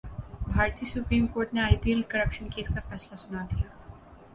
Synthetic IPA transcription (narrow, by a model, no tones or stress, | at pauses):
bʱaːɾt̪iːsʊpɾiːmkoːɾʈneaːipielkɐɾəpʃənkʰeːt̪kafɛːslasʊnad̪ijaː